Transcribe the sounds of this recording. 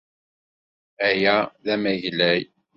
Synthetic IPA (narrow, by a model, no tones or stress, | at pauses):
æjæðæmæʝlæj